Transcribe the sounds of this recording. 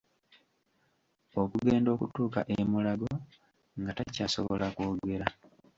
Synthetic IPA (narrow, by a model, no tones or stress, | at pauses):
o̞kuɡeːndo̞ːkutuːka̰ʔemulaɡo | ŋɡatacaːso̞̰βolakoːɡe̞ɾa